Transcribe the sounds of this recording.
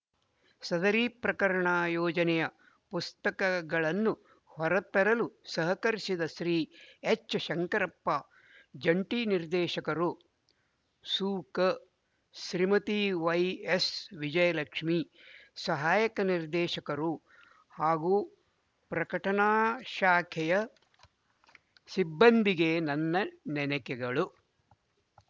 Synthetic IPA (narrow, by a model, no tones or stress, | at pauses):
sɐd̪ɐɾiːpɾɐkɐɾɐɳaːjɔːd͡ʒɐnɛjɐ | pust̪ɐkɐɡɐɭɐnːu | hɐɾɐt̪ɐɾɐlusɐɦɐkɐɾisid̪ɐʃɾiːet͡ʃːɐʃɐŋkɐɾɐpːa | d͡ʒɐɳʈiːniɾd̪ɛːʃɐkɐɾu | suːkɐ | ʃɾimɐt̪iʋɐjesʋid͡ʒɐjɐlɐkʂmi | sɐɦaːjɐkɐniɾd̪ɛːʃɐkɐɾu | haːɡuː | pɾɐkɐʈɐnaːʃaːkʰɛjɐ | sibːɐnd̪iɡenɐnːɐnɛnɐkɛɡɐɭu